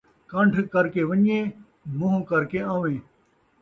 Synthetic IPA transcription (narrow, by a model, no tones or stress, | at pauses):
kəɳɖʱkəɾkeːʋəɲẽː | mʊ̃ɦũːkəɾkeːãːʋẽː